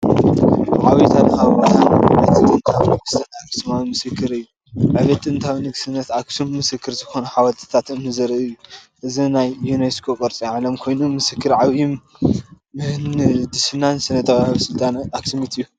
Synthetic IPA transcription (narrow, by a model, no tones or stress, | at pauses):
ʕawijt̪ʰalhaβɐanɨt̪ʰːɨt̪ʼɨnt̪ʰawinɨɡɨsɨnaakʼsɨmawmɨsɨkʰːɨɾɨjːu | ʕɨβɐt̪ʼɨnt̪ʰawinɨɡsɨnːɐt̪aksumːɨsɨkʰːɨɾzɨxo̞nɐħawat̪ʰɨ̥t̪ʰat̪ɨmnɨzɐɾɐɨjːuʔɨzinajːuneskʰokʼɐɾt͡sʼiʕalɐmkʰo̞jnumɨsɨkʰːɨɾʕaβjim | ɨhnd̪isɪnansɨnɐt̪ʼːɐβahɐβsɨlt̪ʼanaksɨmit̪ɨjːu